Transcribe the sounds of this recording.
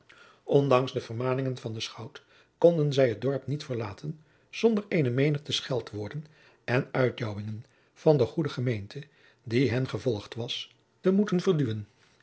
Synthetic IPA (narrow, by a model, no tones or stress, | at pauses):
ʔɔndɑŋsdəvərmaːnɪŋənvɑndəsχʌwt | kɔndənzɛjɦəd̚dɔɹpnitfəɹlaːtʰən | z̥ɔndəɹejnəmejnəχtəsχɛlˠtʋʊːɹdən | ɛnœɥt̚dɔwɪŋən | v̥ɑndəχudəχəmejntʰə | diɦɛnχəvɔlˠχtʋɑs | təmutənvərdyʋən